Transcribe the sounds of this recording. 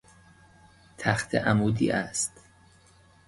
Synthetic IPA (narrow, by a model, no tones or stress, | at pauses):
t̪ʰæxt̪ʰḛʔæmuːd̪ḭːʔæst̪